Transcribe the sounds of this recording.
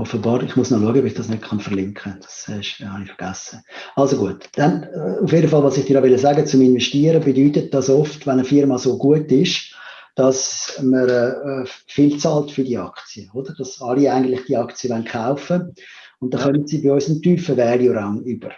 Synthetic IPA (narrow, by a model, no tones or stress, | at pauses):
ɔfəbɑːɾɪχmusnoluəɡəɔbɪχd̥ɑsnøt̚kʰχɑnfəʁlɪŋkχəd̥ɑ̥sɛʃhɑnɪfəɾɡ̥asəɑlsoɡuətd̥anufjedəfɑlʋɑːsɪχd̥iːhɑʋɛləsæɡət͡sʊmɪnvɛʃtiəɾəbedyːtət̚d̥ɑsɔftvanəfɪɾmɑsoːɡuətɪʃ | d̥ɑsməɾɛːfɪlt͡sɑltfʏɾdiːəɑkt͡siəod̥əɾd̥ɑsɑliaɪɡən̩tlɪχd̥iəɑkt͡siəvanχaʊfə | ʊnt̚d̥ɑχœnətsiːbiɔʏsəmtyːfəvɛːljoɾɑŋyb̥əɾ